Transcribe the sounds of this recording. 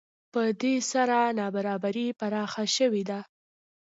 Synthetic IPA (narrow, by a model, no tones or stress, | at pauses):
pəd̪esaɾanɑbaɾɑbaɾipanɑxaʃəwed̪a